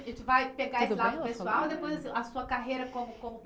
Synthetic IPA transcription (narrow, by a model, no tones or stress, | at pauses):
ẽnt͡ʃɪvajpeɡaesɪlad̪ʊkpesuawid̪epojzɐsĩɐsuɐkaɦejɾɐkõmʊkõmʊ